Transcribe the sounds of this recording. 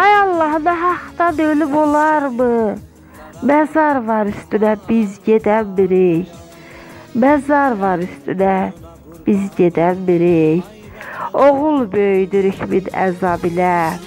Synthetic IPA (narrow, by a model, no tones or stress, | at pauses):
ɑjɑlˠːɑhɯnɑɦɑqt̪ɑnølibolˠɑɾmɯ | mæzɑɾvɑɾyst̪ynæbizɟed̪ænbiɾij | mæzɑɾvɑɾyst̪ynæ | b̥izɟed̪ænbiɾij | oʁulˠbøjd̪yɾyçminæ̰zɑbilæ